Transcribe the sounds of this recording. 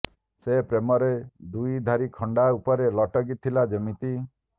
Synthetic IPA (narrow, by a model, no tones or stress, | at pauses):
sepɾemɔɾed̪ujd̪ʱaɾikʰɔɳɖaupɔɾelɔʈɔɡit̪ʰːilad͡ʒɔmit̪i